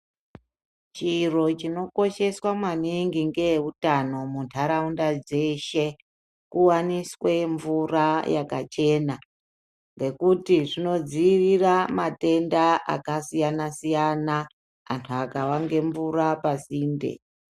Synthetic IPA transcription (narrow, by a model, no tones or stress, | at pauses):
t͡ʃiro̞t͡ʃino̞ko̞ʃe̞swamwaniŋɡiŋɡe̞utano̞muntʰaɾaundad͡ze̞ʃe̞ | kuwaniswe̞ɱvurajakat͡ʃe̞ːna | ŋɡe̞kutiʐino̞d͡ziriramate̞ndaʔa̰kasijanasijana | antʰuakawaŋɡe̞ɱvurapasiːndḛ